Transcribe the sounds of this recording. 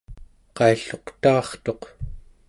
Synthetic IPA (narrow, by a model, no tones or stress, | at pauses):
qɑiɬo̞qt̪ɑːχt̪o̞q